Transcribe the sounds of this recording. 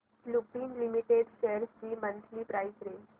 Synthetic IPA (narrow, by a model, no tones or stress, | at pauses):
slupiːnlimiʈeɖɕejəɾst͡ɕiːmənt̪ʰliːpɾajsɾe